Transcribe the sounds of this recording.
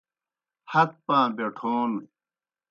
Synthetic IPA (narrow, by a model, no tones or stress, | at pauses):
hɐk̚pãːbeʈʰoːn